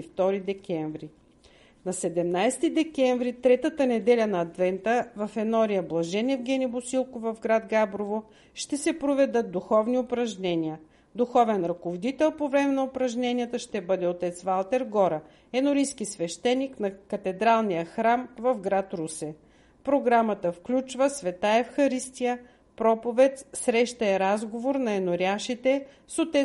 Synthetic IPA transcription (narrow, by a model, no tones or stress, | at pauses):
ift̪ɔɾid̪ɛkʲɛɱvɾi | nɐsɛd̪ɛmnajst̪id̪ɛkʲɛɱvɾit̪ɾɛt̪ət̪ənɛd̪ɛlʲənɐːt̪vɛnt̪əvɐfɛnɔɾijəblˠɐʒɛnɛvɡʲɛnibʊsilˠkovɐvɡɾad̪ɡabɾovo | ʃt̪ɛsɛpɾovɛd̪ɤt̪̚d̪uxɔvniʊpɾɐʒnɛniə | d̪uxɔvɛnɾɐkovod̪it̪ɛlˠpovɾɛmɛnɐʊpɾɐʒnɛnʲiət̪əʃt̪ɛbɤd̪ɛot̪ɛt̪svalˠt̪ɛɾɡɔɾɐ | ɛnʊɾiskisvɛʃt̪ɛnːiknɐkɐt̪ɛd̪ɾalˠnijəxɾamvɐvɡɾat̪ɾusɛ | pɾoɡɾamət̪əfklʲut͡ʃvəsvɛt̪aɛfxɐɾist̪ijə | pɾɔpovɛt̪sɾɛʃt̪ɐɛɾazɡovoɾnɐɛnʊɾʲjaʃit̪ɛ | sot̪ɛ